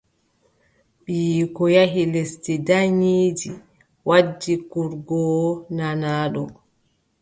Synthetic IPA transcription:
ɓijkɔjaɦilestidaɲiːd͡ʒi | wad͡ʒːikuɾɡɔnanaːɗɔ

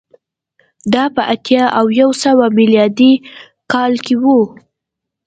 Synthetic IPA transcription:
d̪ɑpəʔat̪jɑʔawjawsəwamiljɑd̪i | kɑlkewu

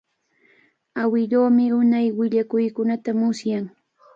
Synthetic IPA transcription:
awɪʎoːmɪʊnajwɪʎakʊjkʊnat̪amʊsjaŋ

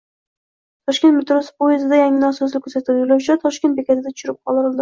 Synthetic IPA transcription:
t̪ʰɒʃkʲet̪mɪt̪ɾosɪ̥pojazɪd̪ajaŋʲɪnasɒslɪkʲʰːɵsat̪ʰɪljolawt͡ʃʰat̪ʰɒʃkʲnt̪̚bekʲat̪ʰɪd̪at̪ʰʊ̥ʃɪɾɪp̚qʰɒ̰lˠɪɾɪlˠd̪ɪ

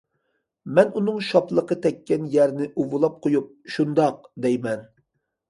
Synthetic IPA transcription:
mɛnunɨŋʃɑplˠəqət̪ʰɛkʲʰːɛnjɛɾnɪʔuvulˠɑp̚qʰojup̚ʃund̪ɑq̚d̪ɛjmɛn

